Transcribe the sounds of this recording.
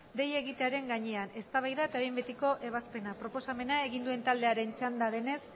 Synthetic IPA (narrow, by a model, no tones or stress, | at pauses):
d̪e̞je̞ɣit̪e̞aɾe̞ŋɡaɲe̞ane̞st̪aβajðaet̪ajmbet̪iko̞ʔe̞β̞aspe̞napɾo̞po̞same̞nae̞ɣind̪ue̞nt̪ald̪e̞aɾe̞nt͡ʃand̪aðe̞ne̞s